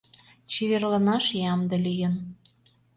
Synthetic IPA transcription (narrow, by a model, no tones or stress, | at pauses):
t͡ɕiβerlɑnɑʃjɑmd̪ə̆lyjən